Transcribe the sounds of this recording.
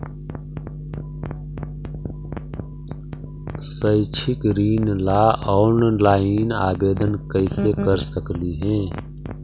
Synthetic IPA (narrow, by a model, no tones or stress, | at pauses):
səɪt͡ʃʰɪkɾiːnlaːɔːnlaːɪna̰ːbeːd̪ənkəɪsekəɾsəkliɦɛ̃ː